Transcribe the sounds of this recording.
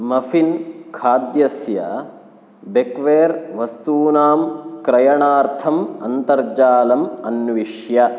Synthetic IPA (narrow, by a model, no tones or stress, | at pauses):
mɐfʰinkʰaːd̪jɐsjɐ̰ | bekʋeːɾʋɐst̪uːnaːmkɾɐjɐɳaːɾt̪ʰɐmɐnt̪ɐɾd͡ʒaːlɐmɐnʋiʂjɐ